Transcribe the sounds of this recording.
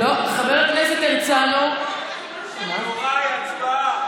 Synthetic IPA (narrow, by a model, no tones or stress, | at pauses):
ot̪eχabeʁakneset̪emt͡sano | ma